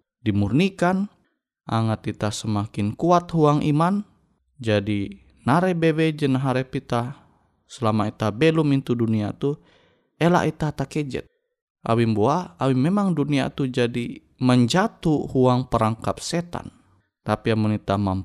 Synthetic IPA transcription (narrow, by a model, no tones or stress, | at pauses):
dimurnikan | ʔa̰ŋat̪it̪asəmakɪnkuat̪huaŋʔḭman | d͡ʒadi | naɾɛbewɛd͡ʒənaɦaɾɛpit̪a | səlamait̪abɛlumint̪uduniat̪u | ɛla̰ʔit̪at̪akɛd͡ʒɛ̰t̪̚ | ʔa̰wimboaawimemaŋdunia̰t̪ud͡ʒadi | məɲd͡ʒat̪uhuaŋpəɾaŋkap̚sɛt̪a̰n | t̪apiamanit̪amam